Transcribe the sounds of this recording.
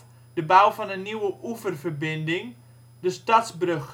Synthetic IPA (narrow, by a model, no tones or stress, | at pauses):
dəbawfɑnəniwəʔuvərvərbɪndɪŋ | dəstɑtsbrøx